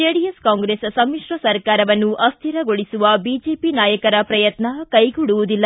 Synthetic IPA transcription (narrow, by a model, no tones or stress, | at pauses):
d͡ʒeːɽijeskaːŋɡɾessɐmːiʂɾɐsɐɾkaːɾɐʋɐnːuʔɐst̪ʰiɾɐɡoɭisuʋɐbid͡ʒeːpinaːjɐkɐɾɐpɾɐjɐt̪nɐkɐjɡuɽuʋud̪ilːɐ